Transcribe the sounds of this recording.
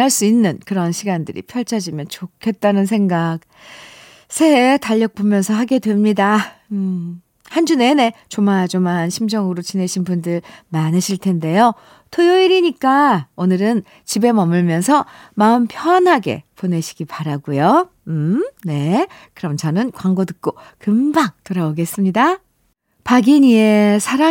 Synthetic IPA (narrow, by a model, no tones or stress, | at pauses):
aɭs͈uinːɯnkɯɾʌnɕʰiɡandɯɾḭpʰjʌɭt͡ɕʰad͡ʑimjʌnt͡ɕokʰe̞t̚t͈anɯnsʰeŋɡak̚ | sʰe̞ɦetaʎːʌk̚p͈omjʌnsʰʌɦaɡe̞dwe̞mɲida | hand͡ʑune̞ne̞t͡ɕomad͡ʑomanɕʰimd͡ʑʌŋɯɾot͡ɕine̞ɕʰinpundɯɭmanɯɕʰiɭtʰe̞nde̞jo | tʰojoiɾiɲik͈aonɯɾɯn | t͡ɕibe̞mʌmɯɭmjʌnsʰʌmaɯmpʰjʌanɦaɡe̞̰pone̞ɕʰi̥ɡ̥ipaɾaɡujo | ne̞kɯɾʌmt͡ɕʌnɯnkwaŋɡotɯk̚k͈okɯmbaŋtoɾaoɡe̞s͈ɯmɲida | paɡiɲie̞sʰaɾa